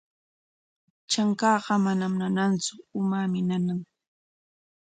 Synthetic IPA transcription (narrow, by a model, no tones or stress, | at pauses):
t͡ʃaŋkɑːɢɑmanamnanant͡sʊʊmamɪnanaŋ